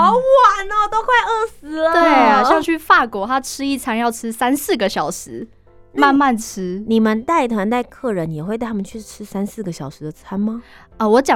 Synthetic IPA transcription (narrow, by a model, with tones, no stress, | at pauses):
wa˨˩na˥˩˨t̪o˥ʊxwe˥˧ɪə˥˩sɹ̩˧˥lə˧t̪we˥˩ɪ˨ɕjɑ˥˧ŋt͡ɕʰy˥˩fa˥˩kwɔ˨˩ta˥ʈ͡ʂʰɻ̩˥i˥˩t͡sʰa˥ŋjɑ˥˩ʊʈ͡ʂʰɻ̩˥sa˥nsɹ̩˥˩ɡə˩ɕjɑ˨˩ʊʂɻ̩˧˥ | ma˥˧nma˥˩nʈ͡ʂ̩ʰ˥ni˨˩mə˦nt̪a˥˩ɪt̪ʰwa˧˥nt̪a˥˧ɪkʰɤ˥˩ɻə˧˦n˨jɛ˨˩xwe˥˧ɪ˥˩t̪ʰa˥mə˨nt͡ɕʰy˥˩ʈ͡ʂʰɻ̩˥sa˥nsɹ̩˥˩ɡə˩ɕjɑ˨˩ʊʂɻ̩˧˥d̪ə˧˩t͡sʰa˥nmɐ˧ | ə˧wɔ˧˥t͡ɕjɑ˨